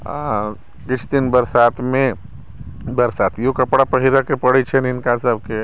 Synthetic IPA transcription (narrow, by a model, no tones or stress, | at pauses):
kɪt͡ʃʰd̪inbəɾsaːt̪ʰmẽ | bəɾsaːt̪ʰjõkɐpɽapəɦiɾakepəɽit͡ʃʰɛnɪnkasəbke